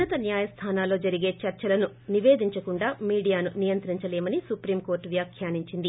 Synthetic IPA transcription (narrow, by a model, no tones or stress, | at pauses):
ɐt̪ɐnjaːjɐst̪ʰaːnaːlo̞ːd͡ʒɐɾiɡe̞ːt͡ʃɐɾt͡ʃɐlɐnu | niʋe̞ːd̪iɲt͡ʃɐkuɳɖaːmiːɽijaːnunijɐnt̪ɾiɲt͡ʃɐleːmɐnisupɾiːmko̞ːɾʈʋjaːkʰjaːniɲt͡ʃind̪i